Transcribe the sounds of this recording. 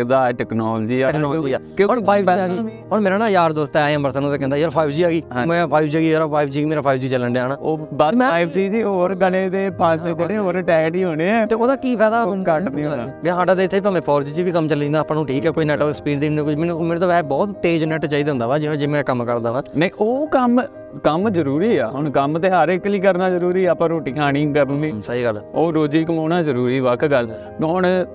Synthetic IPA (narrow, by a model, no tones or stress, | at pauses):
d̪aːʈɛːknɔːld͡ʒiːaɔːiaːkõɔːɾaːibaːɡi | ɔːɾmeːɾaːnaːjaːɾd̪oːst̪ɛaːjãːpəɾsə̃noːt̪eːkɛ̃nd̪aːjəɾpʰaːɪbd͡ʒiːaːɡĩːmɛ̃ːpʰaːɪbd͡ʒːɡiːɾapʰaːɪbd͡ʒiːɡiːmeːɾaːpʰaːɪbd͡ʒiːt͡ʃələɳɖeaːnaːoːbamɛ̃ːibd͡ʒiːd͡ʒiːoːɾɡəleːd̪eːpʰaseːk̪ʈeɦoːɾʈɛːkʈiːɦoːɽ̃eɛːt̪eːoːd̪aːkiːpɛːd̪aːnkəɾĩb̃ːɦaːɖãːd̪eːɪt̪ʰːeːipaːmɛ̃ːpʰɔːɾd͡ʒiːt͡ʃiːʋiːkəmt͡ʃəlːĩnd̪aːpːnãːũːʈʰiːkɛːkoːiːnɛːʈspiːɖd̪iːnũːkʊd͡ʒmeːnũmeːɾeːt̪õːʋɛːpbɔːt̪t̪eːd͡ʒnɛːʈt͡ʃaːiːd̪ɦʊ̃nd̪aːʋaːd͡ʒɪẽːd͡ʒeːmɛ̃kəmkəɾd̪aːʋaːnəĩʔoːkəm | kəmzəɾuːɾiːaːɦʊɳkəmt̪eːɦaɾɪkːliːkəɾnaːzəɾuːɾiːɛːpəɾoːʈiːkʰaːnĩːɡɛbnd̪iːsaɦiːɡəloːɾoːd͡ʒiːkəmoːnaːzəɾuːɾiːʋəkʰɡəl | koːn